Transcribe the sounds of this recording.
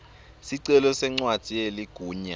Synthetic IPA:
siǀɛlɔsɛŋ͡ǀwad̥ʱieliɡ̥ʱuːɲa̰

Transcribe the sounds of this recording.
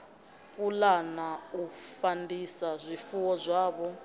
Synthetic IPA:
pʼulanaufandisazʷifuwɔzʷaːβɔ

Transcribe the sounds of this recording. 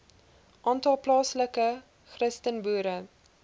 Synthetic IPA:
ʔɑːntɑlˠplɑːsləkə | χrəstənbuːɾə

